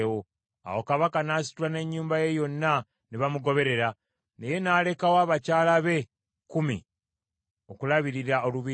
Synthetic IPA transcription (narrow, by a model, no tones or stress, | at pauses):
wo | a̰wo̞kaβakanaːsi̥tulane̞ɲːuːmbaje̞jo̞nːa | neβamuɡo̞βe̞ɾe̞ɾa | ne̞je̞naːle̞kawaːβacaːlaβe̞ | kumḭ | o̞kulaβiɾiɾao̞luβi